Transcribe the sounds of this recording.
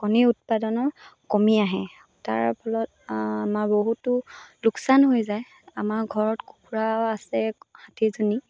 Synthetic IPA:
kɔniut̚padɔnɔkɔmiaɦɛ | ta̰ɹpʰɔlɔt | amaɹboɦutʊlʊksanɦojzaj | amaɹɡʱɔɹɔtku̥kuɹaːsɛhatʰizoni

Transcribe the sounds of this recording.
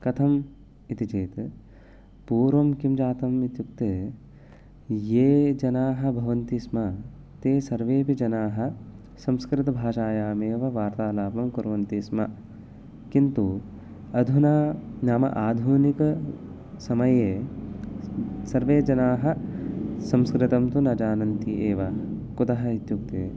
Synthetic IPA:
kɐt̪ʰɐm | it̪it͡ʃeːt̪ | puːɾʋɐmkimd͡ʒaːt̪ɐmit̪juk̚t̪e | jeːd͡ʒɐnaːɦɐ̆bʱɐʋɐnt̪ismɐ | t̪eːsɐɾʋeːpid͡ʒɐnaːɦɐ̆ | sɐ̃mskɾɪt̪ɐbʱaːʃaːjaːmeːʋɐʋaːɾt̪aːlaːpɐmkuɾʋɐnt̪ismɐ̰ | kint̪u | ɐd̪ʱunaːnaːmɐ̰ʔaːd̪ʱuːnikɐ | sɐmɐjeː | sɐɾʋeːd͡ʒɐnaːɦɐ̆ | sɐ̃mskɾɪt̪ɐmt̪unɐd͡ʒaːnɐnt̪iʔeːʋɐkut̪ɐɦɐ̆it̪juk̚t̪ḛː

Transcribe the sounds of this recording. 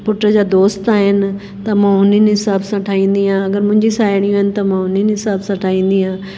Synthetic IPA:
pʊʈɾəd͡ʑaːd̪oːst̪aːɦɪnɪ̆ | t̪ɐmãɦʊninɦɪsaːbsãʈʰaːĩːn̆d̪iãɐɡəɾmʊ̃ɦɪ̃ɲd͡ʑisaːɪɽ̃iuːɦənɪ̆t̪ɐmãːɦʊninɦɪsaːbsãʈʰaːĩːn̆d̪iɦãː

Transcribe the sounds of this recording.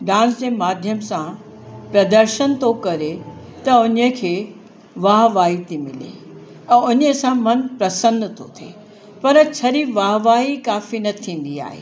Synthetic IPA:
ɖãːs̬d͡ʑeːmaːd̪ʱjəmsã | pɾɐd̪əɾʃənt̪ʰokɐɾet̪ɐʊɲəkʰeː | ʋaːɦʋaːɦit̪ʰimɪlḛ | ɛ̃ːʊɲəsãmɐnpɾɐsəndt̪ʰo̰t̪ʰḛː | pɐɾt͡ɕʰɐɾiʋaːɦʋaːɦikaːfinɐt̪ʰĩːn̆d̪ia̰ːɦḛː

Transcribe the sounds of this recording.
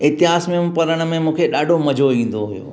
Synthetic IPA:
ɪt̪ɪɦaːsmẽpɐɾəɽ̃ə̆mẽmũːkʰeɗaːɖʱomɐd͡ʑʱoʋĩːn̆d̪oɦʊjo̰ː

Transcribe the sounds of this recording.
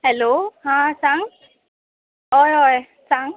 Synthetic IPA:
hɛlohãsaŋ | ɦɔjɔj | saŋ

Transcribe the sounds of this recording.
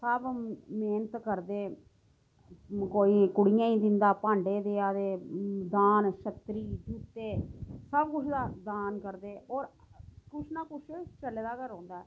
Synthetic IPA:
səbmeːnət̪kəɾd̪eː | koːiːkʊɽijãːĩːd̪ɪnd̪aːpãːɳɖeːd̪eːad̪eːd̪aːnʃət̪ɾiːd͡ʒuːt̪eːsəbkʊt͡ʃʰd̪aːd̪aːnkəɾd̪eːɔːɾ | kʊʃʰnaːkʊʃʰt͡ʃəleːd̪aːkəɾɔ̃ːnd̪aːɛː

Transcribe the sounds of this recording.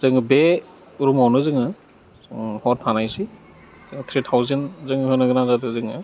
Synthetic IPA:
z̥ɯŋɯbe | uɾumɔwnɯzɯŋɯ | zŋhɔttʰanajsi | zɯŋt̪ʰɾitʰawzenzɯŋhɯnɯɡɯnazadɯzɯŋɯ

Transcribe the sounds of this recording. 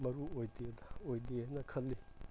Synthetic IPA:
mɐɾuojdedɐojdenɐkʰɐlːi

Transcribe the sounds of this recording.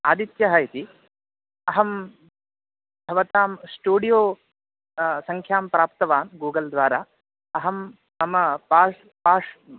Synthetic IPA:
aːd̪it̪jɐɦɐit̪i | ɐɦɐm | bʱɐʋɐt̪aːmsʈuːɽijoː | sɐŋkʰjaːmpɾaːp̚t̪ɐʋaːnɡuːɡɐld̪ʋaːɾaː | ɐɦɐm | ɐmɐpaː | paːʂ

